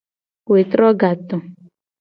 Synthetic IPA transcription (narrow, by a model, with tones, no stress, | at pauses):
we˨tɾɔ˦ɡa˨tʊ˨